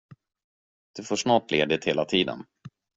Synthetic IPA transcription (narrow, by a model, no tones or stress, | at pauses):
d̪̥ɵfoːʂnɑːʈleːd̪ɪt̪heːlat̪ʰiːd̪ə̰n